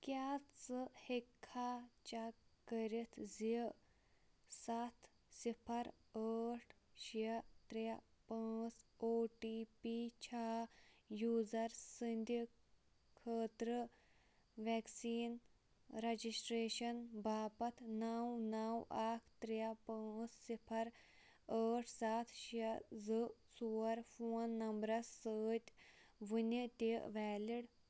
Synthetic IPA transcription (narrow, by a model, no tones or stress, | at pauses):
kjaːt͡sɨhekʰːaːt͡ʃakəɾit̪ʰzi | sɐt̪ʰ | sipʰɐɾ | əːʈʰ | ʃiɐt̪ɾjapaːt͡soːʈipit͡ʃʰaːjuːzɐɾsind̪i | kʰəːt̪ɾə | ʋɛːksiːn | ɾɐd͡ʒisʈɾeːʃɐnbʱaːpɐt̪ʰnaːwnawaːkʰt̪ɾjɐpãːt͡ssipʰɐɾ | əːʈʰsaːt̪ʰʃɐzɨsuːɾfʰoːnːɐmbɾɐssəːt̪ʲʋɨnʲit̪ʲeʔʋɛːliɽ